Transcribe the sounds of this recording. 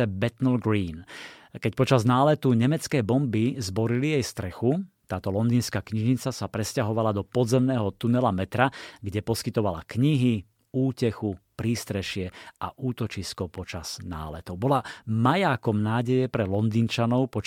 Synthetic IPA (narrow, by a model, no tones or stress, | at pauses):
ɛbɛt̪nl̩ɡɾiːnkɛc̚pɔt͡ʃaznaːlɛt̪uɲɛmɛt͡skɛːbɔmbizbɔɾilijɛjst̪ɾɛxut̪aːt̪ɔlɔnd̪iːnskaːkɲiʒɲit͡sasapɾɛscaɦɔʋalad̪ɔpɔd̪zɛmnɛːɦɔt̪unɛlamɛt̪ɾaɡɟɛpɔskit̪ɔʋala̰kɲiɦi | uːcɛxupɾiːst̪ɾɛʃɪɛʔaʔuːt̪ɔt͡ʃiskɔpɔt͡ʃaz̥na̰ːlɛt̪ɔʊbɔlamajaːkɔmnaːɟɛjɛpɾɛlɔnd̪iːnt͡ʃanɔʊpɔ